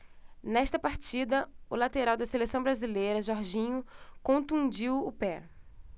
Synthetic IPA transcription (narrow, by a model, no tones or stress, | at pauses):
nɛʃt̪ɐpaɾt͡ʃid̪ɐʊlat̪eɾawd̪ɐselesɐ̃w̃bɾazilejɾɐʒɔɾʒĩɲʊkõnt̪ũd͡ʒiwʊpɛ